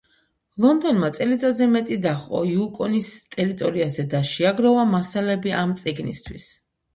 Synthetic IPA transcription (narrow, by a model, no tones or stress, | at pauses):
lˠɔnd̪ɔnmat̪sʼɛlit̪sʼazɛmɛt̪ʼid̪aχʼɔ̰iukʼɔnist̪ʼɛɾit̪ʼɔɾiazɛd̪aʃiaɡɾɔvamasalɛbiʔamt̪sʼiɡnḭst̪ʰwḭs